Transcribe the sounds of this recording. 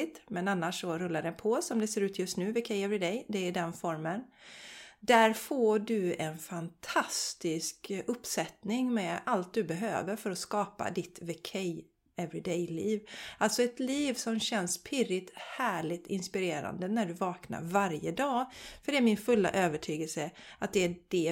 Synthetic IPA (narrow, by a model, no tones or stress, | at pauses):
t̪mɛnanːaʂːɔɾɵlːaɖɛnpʰɔsɔmd̪ɛseːɾʉːt̪ʰjɵst̪nʉ̟ːvɪkʰɛjɛvɾɪd̪ɛjd̪ɛd̪ɛnfɔɾmən | d̪æɾfoːɖɵɛnfant̪ʰast̪ɪskɵpːsɛt̪nɪŋmɛalt̪̚d̪ɵbɛɦø̰ːvəɾfœɾɔskɑːpa̰d̪ɪt̪vɪkʰɛj | ɛvɾɪd̪ɛjliːvʔalt̪sɔɛt̪liːvsɔmɕɛnspʰɪɾɪt̪hæːɭɪt̪ʰɪnspɪɾeːɾa̰nd̪ənæɖɵvɑːkna̰ɾvaɾjəd̪ɑːfœɖɛæɾmɪnfɵlːa̰ʔøːvəʈʰyːɡəlsəat̪̚d̪ɛd̥ɛ